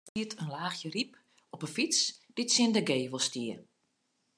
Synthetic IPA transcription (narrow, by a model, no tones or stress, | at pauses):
iətʰənlaːxjərip | ɔpəfit͡sd̥itsɪndəɡeːʋolˠstiər